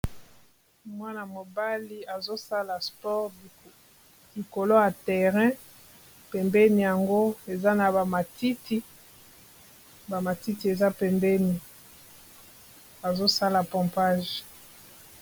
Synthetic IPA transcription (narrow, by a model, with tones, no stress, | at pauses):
mwa˦na˨mo˨ba˦li˦a˨zo˦sa˦la˨spɔ˦ʁ | i˨ko˨lo˦ja˨tɛ˨ʁɛ̃˦ | pɛ˨mbɛ˦ni˨ja˨ŋɡo˦e˨za˦na˨ba˨ma˨tʰi˦tʰi˦ | ba˨ma˨ti˦ti˨e˨za˦pɛ˨mbɛ˦ni˨ | a˨zo˦sa˦la˨pɔ̃˨mpa˦ʒ